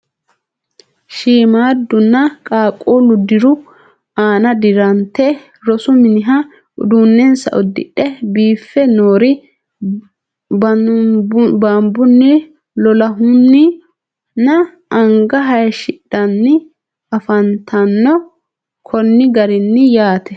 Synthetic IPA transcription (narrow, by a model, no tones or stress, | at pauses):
ʃiːmaːd̪ːʊnːɐkʼaːkʼːuːlʊd̪ɪɾʊ | aːnɐd̪ɪɾɐnt̪ːɛ | ɾɔsʊmɪnɪɦɐ | ʊ̰d̪uːnːɛnsɐ̰ʔɔd̪ːɪ̰ɗːɛbiːfːɛnoːɾɪ | b | bɐmbʊnːɪ | lɔlɐɦʊnːɪ | nɐ | ɐŋɡɐɦɐjʃɪɗɐnːɪ | ɐfɐnt̪ʰɐnːɔ | kʰɔnːɪɡɐɾɪnːɪjaːt̪ɛ